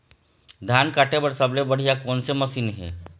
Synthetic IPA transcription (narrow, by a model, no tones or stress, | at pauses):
d̪ʱankaʈebəɽsəblebəɽ̤ijakoːnseməsiːnɦḛː